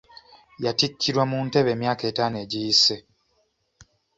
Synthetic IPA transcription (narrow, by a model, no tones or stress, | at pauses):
jaticʰːiɾwamuːnte̞βe̞ːmjaːke̞ːtaːne̞ːɟijise̞